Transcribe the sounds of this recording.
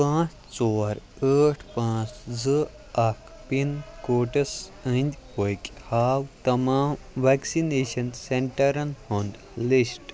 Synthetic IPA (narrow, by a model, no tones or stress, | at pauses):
pãːt͡s | t͡sɔːɾ | əːʈʰpãːt͡szɨ | ɐkʰ | pinkoːʈɐsənʲdʲpojkʲhaːwt̪ɐmaːm | ʋaːksineːʃɐnseɳʈɐɾɐnhond̪ | lisʈ